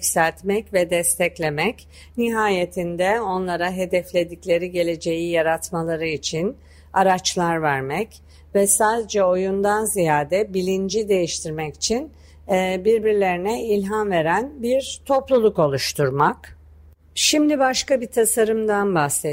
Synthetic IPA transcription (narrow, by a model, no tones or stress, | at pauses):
ksælʲt̪mɛcvɛd̪ɛst̪ʰɛclʲe̞mɛc | niɦaːje̞t̪ʰind̪ɛo̞nlˠaɾaɦe̞d̪ɛflʲe̞d̪iclʲe̞ɾiɟe̞lʲe̞d͡ʒe̞jijaɾat̪malˠaɾɯit͡ʃʰin | aɾat͡ʃlˠaɾvæɾmɛc | vɛsaːd̪e̞d͡ʒɛo̞jund̪anzijaːd̪ɛbilʲind͡ʒid̪e̞jiʃt̪ʰiɾmɛci̥t͡ʃʰinː | biɾbiɾlʲe̞ɾinɛilʲɦanve̞ɾænbiɾt̪ʰo̞plˠulˠuko̞lˠuʃt̪ʰuɾmak | ʃimd̪ibaʃkabit̪ʰasaɾɯmd̪anbase